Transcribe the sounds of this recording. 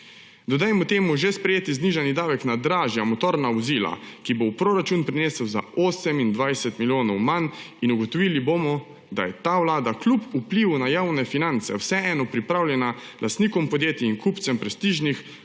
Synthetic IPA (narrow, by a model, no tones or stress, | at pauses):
d̪ɔd̪ajmɔt̪eːmuʒespɾɛjeːt̪izniʒanid̪aːʋɛknad̪ɾaːʒjamɔt̪oːɾnaʋɔziːla̰kibowpɾoɾat͡ʃunpɾineːsəwza̰oːsɛmind̪ʋajsɛt̪miljoːnɔwman | inuɡɔt̪ɔʋiːlibomɔ | d̪a̰jɛt̪aːwlaːd̪aklupupliwunajaːwnɛfinant̪sɛ̰wsɛɛːnɔpɾipɾaːwljɛnalʔast̪niːkɔmpɔd̪jeːt̪iiŋkupt̪sɛmpɾɛst̪iʒnix